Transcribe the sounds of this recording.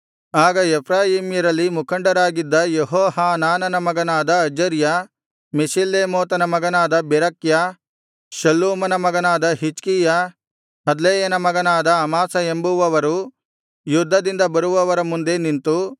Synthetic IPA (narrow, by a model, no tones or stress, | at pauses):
aːɡɐepʰɾaːjiːmjɐɾɐlːimukʰɐɳɖɐɾaːɡid̪ːɐjeɦɔːɦaːnaːnɐnɐmɐɡɐnaːd̪ɐɐd͡ʒɐɾjɐ | misilːeːmoːt̪ɐnɐmɐɡɐnaːd̪ɐbɛɾɐkja | ʃɐlːoːmɐnɐmɐɡɐnaːd̪ɐɦit͡ʃkijɐ | hɐd̪leːjɐnɐmɐɡɐnaːd̪ɐːmaːsɐembuʋɐʋɐɾu | jud̪ʱːɐd̪ind̪ɐbɐɾuʋɐʋɐɾɐmund̪enint̪u